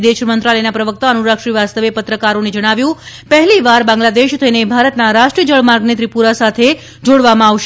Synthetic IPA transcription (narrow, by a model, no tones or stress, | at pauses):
d̪eʃmənt̪ɾaləjnapɾəʋək̚t̪aənuɾakʃɾiʋast̪əʋepət̪ɾəkaɾoned͡ʒəɽ̃aʋjũpəɦɛliʋaɾbãŋɡlad̪eʃt̪ʰəinebʱaɾət̪naɾaʃʈɾiəd͡ʒəɭmaɾɡnet̪ɾipuɾasat̪ʰe | d͡ʒoɽʋamãaʋʃ